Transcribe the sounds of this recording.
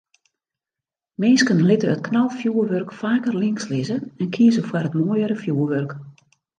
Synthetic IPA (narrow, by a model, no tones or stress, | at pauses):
mɪnskənlɪtəət̚knalˠfjuəʋørkfaːkərlɪŋkslɪzəɛnkʰiəzəfwarɦətmoːjəɾəfjuəʋørk